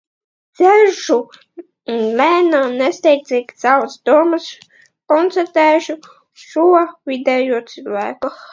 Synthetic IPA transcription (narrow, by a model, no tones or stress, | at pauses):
d̪z̥ɛʒuː | nlʲæːnaːnɛst̪ɛjt̪iːkʲsawsd̪uɔmas | kɔnt̪sɛɾt̪ɛːʃu | ʃuɔvʲid̪ɛjuɔt̪silˠvæːku